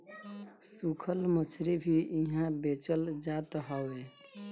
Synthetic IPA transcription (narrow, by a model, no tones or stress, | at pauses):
sukʰəlmət͡ʃʰɾebʱiʔiɦãbet͡ʃəld͡ʒat̪ɦɔwe